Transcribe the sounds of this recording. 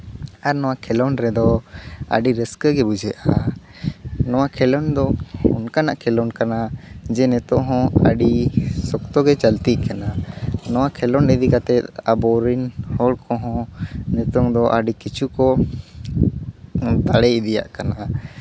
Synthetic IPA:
aɾnɔwakʰɛlɔnɾɛd̪ɔa̰ɖiɾɛskəɡɛbud͡ʒɛʔa | nɔwakʰɛlɔnd̪ɔɔnkanaʔkʰɛlɔnkanad͡ʒɛnɛt̪ɔʔɦɔ̃a̰ɖisɔkt̪ɔɡɛt͡ʃəlt̪iʔkananɔwakʰɛlɔnɛd̪ikat̪ɛt̪̚abɔɾinhɔɽkɔɦɔ̃nɛt̪ɔŋd̪ɔʔaɖikit͡ʃukɔ | t̪aɽɛid̪ija̰ʔkana

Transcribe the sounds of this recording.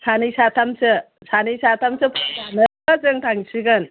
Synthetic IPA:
sʰanɯjsat̪ʰamsɯ | sanɯjsatʰamsɯpʰɯnanɯ | azɯŋtʰaŋsiɡɯn

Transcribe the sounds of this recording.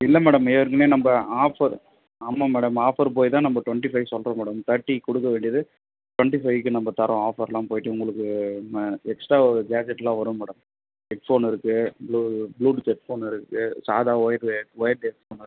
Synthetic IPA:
ɪlːɐmɛːɽɐmɛʋɐɾɯkːɯneːnɐmbɐaːfɐɾ | ɐmːamɛːɽɐmaːfɐɾp̬oːjt̪ãːnɐmbɐʈʊʋɐɳʈifɐɪsɔlrɐmɛːɽɐmt̪ɐʈːikɔɽɯk̬ːɐʋeːɳɖɪjɐðɯ | ʈʋɐɳʈifɐɪkːɯnɐmbɐt̪ɐɾɐ̃aːfɐɾlãːpoːjɪʈːɯʊŋɡɐɭɯkːɯ | ɛksʈɾaːɔɾɯɡaːd͡ʒɛʈːlãːʋɐɾɐ̃mɛːɽɐm | ɛʈfoːnɪɾɯkːɯbluːbluːɖsɛʈfoːnɪɾɯkːɯsa̰ːðaːɔjɐɾɔjɐɾdɛkfoːnɾ

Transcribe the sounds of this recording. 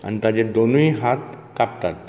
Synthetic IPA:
a̰nit̪ad͡ʑed̪onuiɦat̪kap̚t̪at̪̚

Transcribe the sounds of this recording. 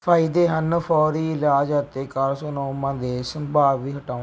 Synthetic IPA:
pʰaːɪd̪eːɦənpʰɔːɾiːɪlaːd͡ʒət̪ːeːkaɾsoːnoːmãːd̪eːsəmbaːbʋiːɦəʈaː

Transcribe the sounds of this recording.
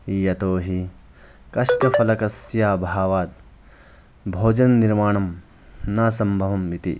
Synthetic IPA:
ijɐt̪oːɦi | kɐʃʈɐfɐlɐkɐsjaːbʱaːʋaːt̪̚ | bʱoːd͡ʒɐnɐniɾmaːɳɐm | naːsɐmbʱɐʋɐmʋit̪ḭ

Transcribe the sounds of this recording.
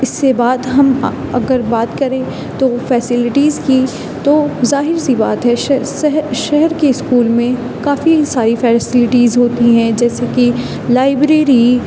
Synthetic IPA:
ɪsːebaːd̪ɦɐm | ɐ̰ɡəɾbaːt̪kɐɾẽ | t̪ofɛːsɪlɪʈiːzki | t̪oːzaːɦɪɾsiba̰ːt̪ɦɛʃsɦʃɛɦɛɾkeɪskuːlmẽ | kaːfisaːɾifɛːsɪlɪʈiːzɦoːt̪iɦɛ̃d͡ʒɛːseki | laːɪbɾeːɾi

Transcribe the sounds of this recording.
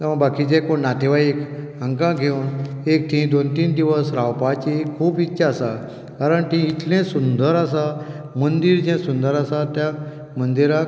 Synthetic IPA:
t̪eʋə̃bakit͡ɕẽkoɳnat̪ʰeʋaik | ə̃ŋkãɡʱeunek̚ʈ̪ʰĩd̪ont̪iːnd̪iʋəsɾawpat͡ɕikʰuːpitːɕaːsa | kaɾəɳt̪ĩit̪lẽsund̪əɾasa | mənd̪iːɾd͡ʑẽsund̪əɾasat̪ja | mənd̪iɾak

